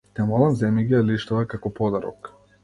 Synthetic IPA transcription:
t̪ɛmɔlˠamzɛmiɡiɛliʃt̪ɔvɛkakɔpɔd̪aɾɔ̰k

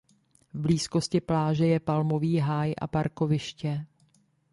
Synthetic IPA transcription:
vbliːsko̞scɪplaːʒɛjɛpalmo̞viːɦaːjʔa̰paɾko̞vɪʃcɛ

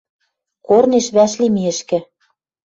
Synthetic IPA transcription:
korneʃβæʃlimiɘ̆ʃkɘ̆

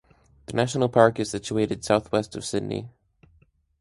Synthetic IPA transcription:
ðɨnæʃn̩l̩ˠpʰɑɹkɨz̥sɪt͡ʃueɪɾɨd̥saʊθwɛstʌv̥sɪdⁿnḭ

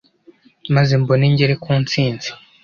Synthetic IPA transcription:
mazemboneɲɟeɾekʰuːnt͡siːnt͡si̥

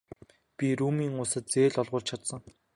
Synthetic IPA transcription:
pʲiɾuːmiːŋʊsə̆t̪̚t͡seːɮɔɮʁʊːrt͡ɕʰat̪sə̆ŋ

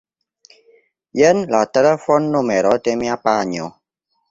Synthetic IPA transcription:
jɛnlatɛɾɛfɔnːomɛɾɔtɛmiapaɲɔ

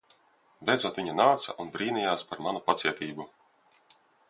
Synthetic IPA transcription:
bʲɛjd̪zuɔt̪viɲunaːt̪sɐ̰ʔunbɾiːnijaːspaɾmanupat̪sʲiɛt̪iːbu

